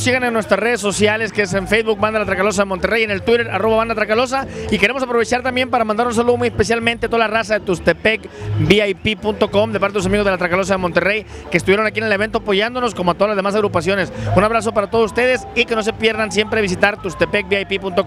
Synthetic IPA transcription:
siɣanenːwest̪ɾasre̞ðesːo̞sjale̞skeeseɱfejzβuk̚band̪alat̪ɾakalo̞s̬aðemo̞nt̪ereje̞nelt̪wiɾeɾaro̞βaβand̪at̪ɾakalo̞s̬aike̞ɾe̞mosapɾoβe̞t͡ʃaɾt̪ambje̞mpaɾamãnd̪aɾuns̬aluðomujespe̞s̬jalmẽnt̪eat̪o̞ðalarasaðe̞t̪ust̪epekbiajpipunt̪o̞ko̞md̪epaɾt̪elosamiɣo̞zðelat̪ɾakalo̞s̬aðemo̞nt̪ere̞j | kest̪uβjeɾo̞nakienele̞βe̞nt̪oapo̞ʝand̪o̞no̞sko̞moat̪oalazðeas̬aɣɾupasjo̞ne̞sunaβɾas̬o̞paɾat̪oðsust̪e̞ðesike̞no̞s̬e̞pje̞ɾðans̬jempɾeβ̞is̬it̪aɾt̪ust̪epek̚biajpipunt̪ok

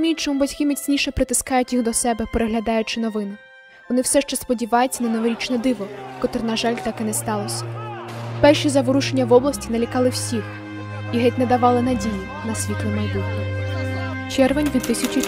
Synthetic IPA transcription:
mʲilʲt͡ʃɔmʊbɐtʲkɪmit͡sʲnʲiʃɛpɾɪt̪ɪskɑjʊtʲjixd̪ɔsɛbɛpeɾeɦlʲɐd̪ɑjʊt͡ʃɪnɔʋɪnɪ | ʋɔnɪwsɛʃt͡ʃɛspɔdʲiʋɑjet͡sʲːɐnɐneʋɔɾʲit͡ʃnɛd̪ɪʋɔkɔt̪ɾɪnɐʒɑlʲt̪ɑkɛnɛst̪ɑlˠɔsʲɐ̥ | pɛrʃizɐʋɾuʃenʲːɐʋɔblˠɐsʲtʲinɐlʲikɑlˠɪwsʲix | iɦɛtʲnɛd̪ɐʋɑlˠɪnɐdʲiji | nɐsʲʋʲit̪lˠɪmɐjbutʲnʲi | t͡ʃɛrʋenʲʋʲid̪t̪ɪsʲɐt͡ʃʊ

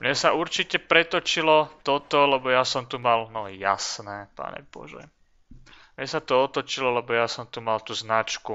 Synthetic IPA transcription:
mɲɛsauɾt͡ʃicɛpɾɛt̪ɔt͡ʃilɔt̪ɔt̪ɔlɛbɔjasɔmt̪umalnɔja̰snɛːpa̰ːɲɛ̰bɔ̰ʒɛ̰ | mɲɛsat̪ɔɔt̪ɔt͡ʃilɔlɛbɔjasɔmt̪umalt̪uznat͡ʃku

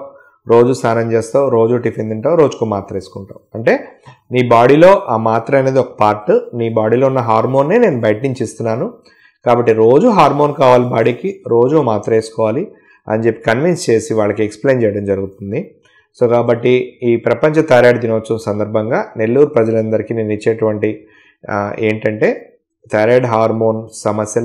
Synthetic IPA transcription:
ɾo̞ːd͡ʒusaːnɐɲt͡ʃeːst̪aːuɾo̞ːd͡ʒuʈipʰend̪uɳʈaːʋɾo̞ːd͡ʒu̥kuːmaːɾt̪ɾɐeːsu̥kuɳʈa̰ːwuɐɳʈe̞ːniːbaːɽilo̞ːʔaːmaːt̪ɾɐɐne̞ːd̪iɔkɐ̥paːɾʈniːbaːɽiːlo̞ːunːɐɦaːɾmo̞ːnːeːne̞ːnubɐjʈiɲt͡ʃist̪unːaːnu | kaːbɐʈːiɾo̞ːd͡ʒuɦaːɾmo̞ːnkaːʋaːlibaːɽikiɾo̞ːd͡ʒumaːt̪ɾɐeːsu̥kɔːʋaːli | ɐ̰nd͡ʒepːi̥kɐnʋinst͡ʃe̞ːsiʋaːɭːɐkieksple̞ːnt͡ʃɛːjɐɽɐmd͡ʒɐɾuɡut̪und̪i | so̞ːkaːbɐʈːiiːpɾɐpɐɲt͡ʃɐt̪ɐjɾaːɖd̪inɐʋɐt͡ʃːɐnɐsɐnd̪ɐɾbʱɐŋɡaːne̞lːuːɾpɾɐd͡ʒɐlɐnd̪ɐɾikiːneːnit͡ʃːeːʈuʋɐɳʈi | e̞̰ːɳʈɐɳʈe̞ː | t̪ʰɐjɾaːɖɦaːɾmo̞ːnsɐmɐsjɐ

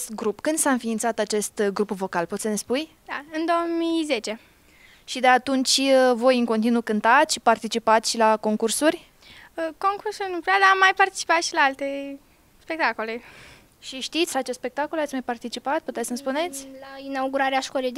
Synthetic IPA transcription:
st̪ɡɾupkɨnd̪saɨnfiːnt̪sat̪at͡ʃe̞st̪ɡɾupvo̞kalpot̪səne̞spuj | d̪̥aɨnd̪o̞ommize̞t͡ʃe̞ | ʃid̪e̞at̪unt͡ʃʲvo̞jɨŋko̞nt̪inukɨnt̪at̪ʲʃpart̪it͡ʃipat̪sʲʃilako̞ŋkursurʲ | ko̞ŋkursurʲnuplead̪amːajpart̪i̥t͡ʃi̥pat̪ʃilaalt̪e̞ | spe̞k̚t̪ako̞le̞ | ʃiʃt̪it̪sʲat͡ʃest̪spe̞k̚t̪ako̞lat̪smajpart̪it͡ʃipat̪̚put̪esʲsənspunet̪sʲlainauɡuɾaɾeaʃkolej̪

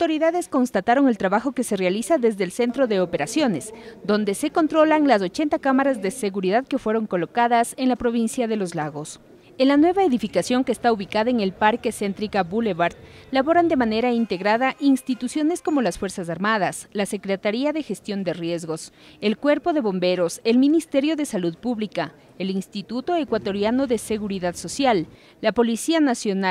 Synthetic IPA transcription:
awt̪o̞ɾiðaðe̞sko̞nst̪at̪aɾo̞ŋe̞lt̪ɾaβaxo̞ke̞se̞realisaðe̞zðeːlse̞nt̪ɾo̞ðe̞ope̞ɾasjo̞ne̞sd̪o̞nd̪e̞se̞ko̞nt̪ɾo̞laŋlas̬o̞t͡ʃe̞nt̪akamaɾazðe̞se̞ɣuɾiðaðke̞fweɾo̞ŋko̞lo̞kaðase̞nlapɾo̞β̞insjaðe̞lo̞zlaɣo̞s | enlanwe̞βaeðifikasjo̞ŋkeːst̪auβikaðaeŋe̞lpaɾke̞se̞nt̪ɾikabuleβaɾt̪ | laβo̞ɾand̪e̞mane̞ɾaint̪e̞ɣɾaðaʔinst̪it̪usjo̞ne̞sko̞mo̞lasfwe̞ɾsas̬aɾmaðaslase̞kɾet̪aɾiaðe̞xe̞st̪jo̞nd̪e̞rje̞zɣo̞s | e̞lkwe̞ɾpo̞ðe̞βo̞mbe̞ɾo̞se̞lmĩnist̪e̞ɾjo̞ðe̞saluðpuβlika | elinst̪it̪ut̪o̞e̞kwat̪o̞ɾjano̞ðe̞se̞ɣuɾiðaðso̞sjalː | apo̞lisianasjona

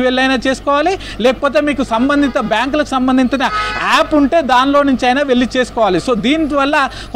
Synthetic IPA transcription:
ʋeɭːɐjnaːt͡ʃe̞ːsu̥kɔːʋaːli | lɛːkɐ̥poːt̪̬eːmiːkusɐmbɐnd̪ʱit̪ɐbjaːŋk̬ulɐku̥sɐmbɐnd̪ʱiɲt͡ʃinɐaːpuɳʈe̞ːd̪aːnlo̞ːnuɲt͡ʃɐjnaːʋe̞ɭːit͡ʃe̞ːsu̥kɔːʋaːliso̞ːd̪iːnid̪ʋɐɭːa | k

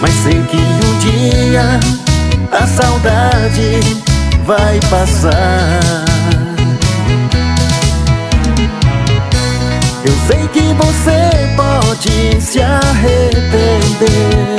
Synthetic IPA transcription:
majsejkɪũd͡ʒiɐ | ɐsawd̪ad͡ʒɪ | vajpasa | ewsejkɪvosepɔd͡ʒɪsɪaɦet̪ẽd̪eɾ

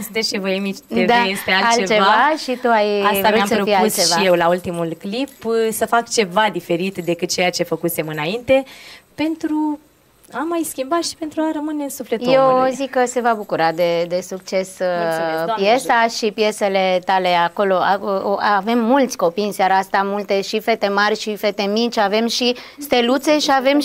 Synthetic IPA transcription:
d̪eʃevəemit͡ʃt̪ed̪ajesealat͡ʃet͡ʃe̞vaʃit̪uajvɾamsəɾofiaust͡ʃeʃvajewlault̪imulklipsəfakt͡ʃe̞vad̪ife̞ɾit̪d̪e̞kɨt̪̚t͡ʃe̞jat͡ʃe̞fəkusemɨnaint̪e̞pe̞nt̪ɾu | amajskʲimbat̪ʃi̥pe̞nt̪ɾuaɾəmɨneɨnsufle̞t̪jewzikkːəse̞vabukuɾad̪e̞d̪e̞suk̚t͡ʃe̞s | ppje̞saʃipije̞se̞le̞t̪ale̞ako̞lo̞ave̞mːult̪sʲko̞pijɨnsjaɾaast̪amult̪e̞ʃife̞t̪e̞marʲʃife̞t̪e̞mit͡ʃʲave̞mʃist̪e̞lut̪se̞ʃiave̞m

